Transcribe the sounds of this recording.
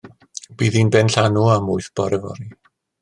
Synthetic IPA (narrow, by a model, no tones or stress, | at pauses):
b̥iːðinbɛnɬanuamʊɨθb̥ɔɾəvɔ̰ni